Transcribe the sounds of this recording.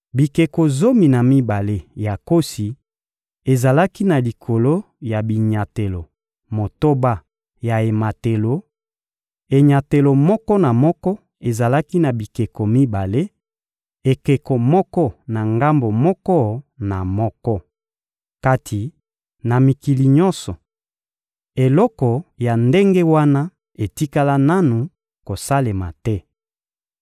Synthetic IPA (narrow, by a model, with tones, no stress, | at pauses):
bi˨ke˨ko˨zo˦mi˨na˨mi˦ba˨le˦ja˨ko˦si˨ | e˨za˨la˦ki˦na˨li˨kʰo˨lo˦ | ja˨bi˨ɲa˨te˨lo˨ | mo˨to˦ba˦ | ja˨e˨ma˨te˨lo˨ | e˨ɲa˨te˨lo˨mɔ˦kɔ˦na˨mɔ˦kɔ˦ | e˨za˨la˦ki˦na˨bi˨ke˨ko˨mi˦ba˨le˦ | e˨ke˨ko˨mɔ˦kɔ˦na˨ŋɡa˦mbo˨mɔ˦kɔ˦na˨mɔ˦kɔ˦ | ka˦tʰi˨ | na˨mi˨ki˨li˨ɲɔ˦nsɔ˨ | e˨lɔ˦kɔ˨ja˨nde˦ŋɡe˦wa˦na˦ | e˨ti˦ka˦la˦na˦nu˨ | ko˨sa˦le˨ma̰˨tɛ˦